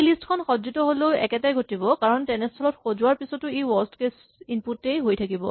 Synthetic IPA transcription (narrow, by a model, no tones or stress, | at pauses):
listkʰɔnxɔzitɔɦoloʊɛ̰kɛtajɡʱotibɔkaɹɔntɛnɛstʰɔlɔtxozʊwaɹpisɔtʊewɔstkes | inputːejɦojtʰakibɔ̰